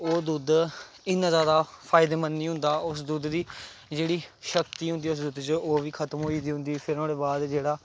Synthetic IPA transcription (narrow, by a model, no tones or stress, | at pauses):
oːd̪ud̪ | ɪnːãːzjaːd̪aːpʰaːɪd̪eːmənːiːɦʊ̃nd̪aːʊsd̪ud̪ːiːd͡ʒeːɽiːʃəkt̪iːɦʊ̃nd̪iːʊs̬d̪ʊd̪t͡ʃoːʋiːkʰət̪əmɦoːiːd̪iːɦʊ̃nd̪iːpʰɪɾõːɽeːbaːd̪d͡ʒeːɽaː